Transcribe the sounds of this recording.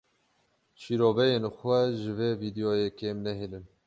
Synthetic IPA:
ʃiːɾoːvɛjeːnxʷɛʒɨveːviːd̪ejoːjɛkeːmnɛɦinɨn

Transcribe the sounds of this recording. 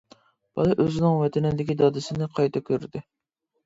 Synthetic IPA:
b̥ɑ̰lˠɑʔøzɪnɪŋwɛt̪ʰɛnɪd̪ɪkʲid̪ɑd̪ɪsɪnɪqʰɑjt̪ʰɑkʲʰøɾd̪ɪ

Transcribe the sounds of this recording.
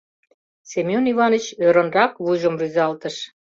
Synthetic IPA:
sʲemʲjonivɑnət͡ɕøɾə̆nrɑkβuʒə̆mryzɑlt̪əʃ

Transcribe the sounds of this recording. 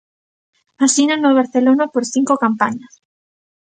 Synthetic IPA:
asinanoβ̞aɾθelonapoɾθiŋkokampaɲas

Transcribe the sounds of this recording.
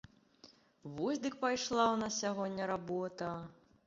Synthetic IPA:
vɔsʲd̪ɨkpajʂlˠawnɐsʲaɣɔnʲːɐɾabɔt̪ɐ

